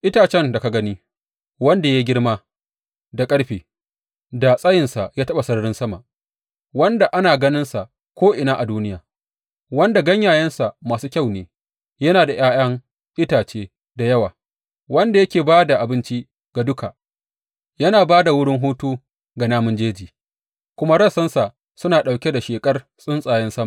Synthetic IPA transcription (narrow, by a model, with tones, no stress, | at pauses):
ʔɪ˦taː˨t͡ʃɛ˦nda˨ka˨ɡɐ˦niː˦ | wɐ˦nda˨ja˦ɡʲɪ˦ɽmaː˦ | da˨kʼɐ˦ɽɸiː˨ | da˨sʼɐ˦jɪ˨nsa˨jaː˦tɐ˦ɓa˨sɐ˦ɽɽɪ˦nsɐ˦ma˨ | wɐ˦nda˨ʔa˦naː˨ɡɐ˦nɪ˦nsa˨ʔ | kʷoː˦ʔɪ˨naː˦ʔa˨duː˦nɪ˦jaː˨ | wɐ˦nda˨ɡɐ˦ɲjaː˨jɐ˦nsa˨ʔmaː˨suː˦kʲa˦˨wneː˨ | jɐ˦naː˨da˨j̰aː˦j̰ɐ˦ŋ | ʔɪ˦taː˨t͡ʃeː˦ | da˨jɐ˦waː˨ | wɐ˦nda˨jɐ˦kʲeː˨baː˦da˨ʔa˨bɪ˦nt͡ʃi˦ | ɡ̥a˨dʊ˦ka˨ | jɐ˦naː˨baː˦da˨wʊ˦ɽɪ˦ŋɦoː˦tuː˦ | ɡa˨naː˦mʊ˦nd͡ʒeː˦d͡ʒiː˨ | kʷʊ˦ma˦ɽɐ˦˨sɐ˦nsa˨ | sʊ˦naː˨ɗa˨wkʲe˦da˨ʃeː˨kʼɐ˦r | sʼʊ˦nsʼaː˨jɛ˦nsɐ˦ma˨